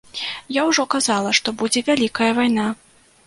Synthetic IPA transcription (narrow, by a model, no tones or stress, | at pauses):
jawʐɔkazalˠɐʂt̪ɔbud͡zʲɛvʲalʲikɐjɐvajna